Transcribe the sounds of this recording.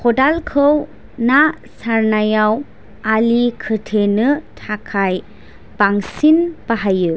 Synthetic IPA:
kʰɔdalkʰɯw | na | saɾnajaw | alikʰɯtʰenɯtʰakʰaj | b̥aŋsinbaɦajɯ

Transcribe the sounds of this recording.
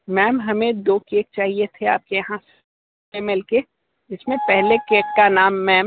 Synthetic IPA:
mɛːmɦɐmẽd̪oːkeːk̚t͡ʃaːɦiet̪ʰea̰ːp̚kejɐɦãs | emeːlke | ɪsmẽpɛɦlekeːkːanaːmːɛːm

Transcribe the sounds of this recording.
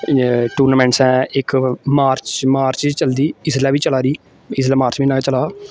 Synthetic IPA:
ʈuːɾnaːmɛ̃ːɳʈsɛ̃ːɪkmaːɾt͡ʃmaːɾt͡ʃt͡ʃəld̪iːɪslɛːʋiːt͡ʃəlaːɾiː | ɪslɛːmaːɾt͡ʃʋiːnaːkːt͡ʃəlaː

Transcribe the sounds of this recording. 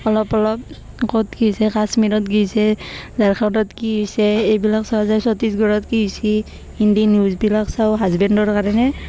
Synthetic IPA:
ɔlɔpɔlɔp̚ | kɔtɡisɛkasmiɾɔtɡijsɛzaɹkʰandɔtkiɦusɛejbilaksɔɦɛzaɹsɔtisɡɔɹɔtkiujsi | indinjuzbilaksawɦazbɛndɔɹkaɹɔnɛ

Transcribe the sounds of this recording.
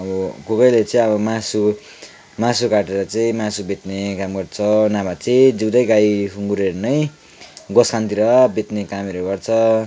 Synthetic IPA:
ʌbʌkukʌjlet͡sʌĩʌbʌmasu | mãsukaʈeɾʌt͡sʌĩmasubʱet̪nekamɡʌrt͡sʰʌnabat͡sʌĩd͡ziwd̪ʌjɡajɦʰuŋɡuɾeɾnʌj | ɡʌskant̪iɾʌbʱet̪nekameɾuɡʌrt͡sʰʌ

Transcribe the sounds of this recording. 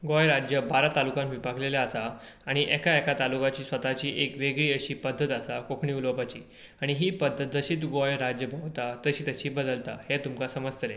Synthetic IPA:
ɡojɾad͡ʑjəbaɾat̪alukãmʋipakʰleljaəsaː | ɽ̃iʔɛkaɛkat̪alukat͡ɕiːsʋət̪at͡ɕiːʔekʋeɡɭiːəɕiːpəd̪ʱːət̪əsakokʰɳiːulopat͡ɕḭː | aɽ̃iɦiːpəd̪ʱːət̪̚d͡zəɕiːt̪ɡojɾad͡ʑjəbʱəwt̪at̪əɕiːt̪əɕiːbəd̪əlt̪a̰het̪umkasəməst̪əɾe

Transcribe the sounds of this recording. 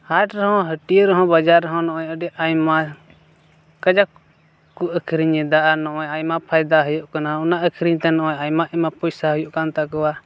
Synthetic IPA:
haʈɾəɦɔ̃ɦəʈiɾəɦɔ̃bəd͡ʒaɾəɦɔ̃nɔ̃ʔɔjəɖɛʔajma | kəd͡ʒak | kuʔəkʰɾiɲɛd̪aʔanɔ̃ʔɔjajmapʰajd̪aɦəjuʔkanaunaʔəkʰɾiɲt̪ɛnɔʔɔjajmaʔɛmapɔjsaɦəjuʔkant̪akɔwa

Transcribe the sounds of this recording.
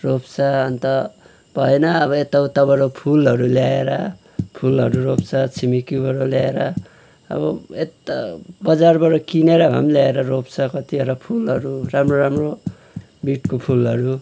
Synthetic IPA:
ropt͡sʰʌːnt̪ʌ | bʱʌenʌːβʌet̪ʌwt̪ʌbʌɾopʰulɦʌɾuljaeɾʌ | pʰulɦʌɾuɾopt͡sʰʌt͡sʰimikjubʌɾʌljaeɾʌ | ʌ̰bʌet̪ʌbʌd͡zarbʌɾʌkineɾʌɦʌ̰mljaeɾʌropt͡sʰʌkʌt̪iʌɾʌpʰulɦʌɾuramroɾamro | miʈkopʰulɦʌɾu

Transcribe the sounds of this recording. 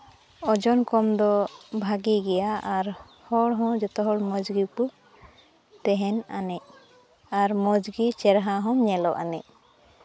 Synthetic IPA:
ɔd͡ʒɔnkɔmd̪ɔbʱaɡiɡɛjaʔaɾ | hɔɽɦɔ̃d͡ʒɔt̪ɔɦɔɽmɔd͡ʒɡipu | t̪ɛɦɛna̰nɛʔ | aɾmɔd͡ʒɡit͡ʃɛɾɦaɦɔ̃mɲɛlɔʔa̰nɛ̰ʔ

